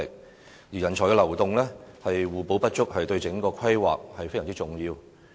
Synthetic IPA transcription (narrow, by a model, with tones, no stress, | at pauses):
ɪ˨k̚ | jiː˨˩jɐ˨˩nt͡ʃʰɔː˨˩jkɛ˧lɐ˨˩wt̪ʊ˨ŋlɛː˥hɐ˨jwuː˨˩po˨˥wpɐ˥t̚t͡ʃʊ˥k̚hɐ˨jt̪ɵ˧ɥt͡sɪ˨˥ŋkɔː˧kʷʰɐ˥jwa̰ː˨k̚hɐ˨jfe˥jɐː˨˩ŋt͡si˥t͡sʊ˨˩ŋjiː˧w